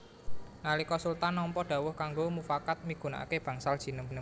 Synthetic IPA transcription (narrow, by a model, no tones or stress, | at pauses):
nalikɔsult̪anːɔmpɔɖ̥ä̤wʊhkaŋɡomufakat̪̚miɡ̥ṳna̰keb̥ä̤ŋsald̥ʒ̥i̤nəmbnə